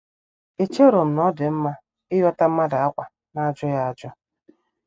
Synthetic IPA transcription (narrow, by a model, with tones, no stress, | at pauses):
e˨t͡ʃe˦ɾo˨m̩˨nɔ˦dɪ˨m̩˦ma˦ | ɪ˦jɔ˦ta˦m̩˦ma˦da˨a˦kʷa˨ | na˦d͡ʒɔ˦ja˦˨d͡ʒɔ˦